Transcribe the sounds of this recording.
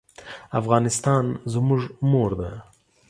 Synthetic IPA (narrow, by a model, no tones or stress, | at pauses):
afɣɑnɪst̪ɑnzmuʐmoɾd̪a